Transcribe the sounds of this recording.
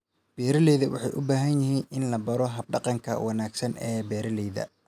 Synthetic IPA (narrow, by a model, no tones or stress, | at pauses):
b̥ɛːɾɐlɛːðɐwɑ̰ħɑjʔʊbaːɦɐnjɪɦiːnɪnlɐbɐɾɔɦɐb̚ɖɑqɑŋkʰɐ̰wɑnaːɡsɐnɛːbɛːɾɐlɛjðɐ̰